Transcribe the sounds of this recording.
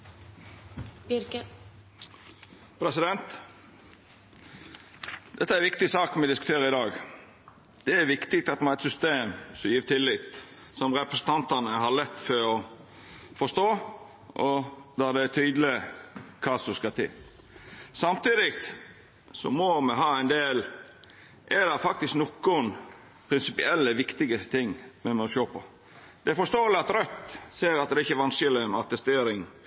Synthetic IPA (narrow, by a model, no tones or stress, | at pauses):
pʰɾɛsɪd̪ɛnt̪ | d̪ɛt̪ːəæɾʋɪk̚t̪ɪsɑːkmɛd̪ɪskʉt̪ʰeːɾəɪd̪ɑːɡ | d̪̥ɛæɾʋɪkt̪ɪk̚t̪ɑt̪mɑnæɪt̪sʏst̪eːmsɔmjiːʋt̪ʰɪlːɪːt̪sɔmɾɛpɾəsən̩t̪ʰɑnt̪ɑnəɦɑɾlɛt̪ːfɔɾɔ | fɔst̪oː | ʔɔd̪ɑd̪ɛæt̪ʰyːd̪əlɪkʰɑːsɔskɑt̪ʰɪ̰l | sɑmt̪iːd̪ɪkt̪ | sɔ̰mɔmɛɦɑːæɪnd̪eːl | ʔɛd̪ɑfɑkt̪ɪsknɔkːʊn | pʰɾɪnsɪpɪ̰ɛlːəʋɪkt̪ɪɡət̪ʰɪŋːmɛmɛɔʃoːpʰɔ̰ | d̪̥ɛæɾfɔʂt̪oːəlɪɑt̪ɾœt̪ːseːɾɑt̪̚d̪ɛɪçːəʋɑnsɪlɪmɑt̪ɛst̪eːɾɪŋ